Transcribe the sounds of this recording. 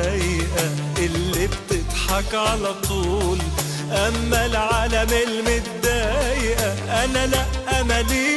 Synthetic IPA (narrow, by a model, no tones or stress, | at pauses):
ajʔa | ʔɪlːib̚t̪ɪt̪ħɑkʕalæt̪ˤuːl | ʔamːalʕaːlamɪlmɪt̪̚d̪ːaːjʔaʔanalaʔʔamali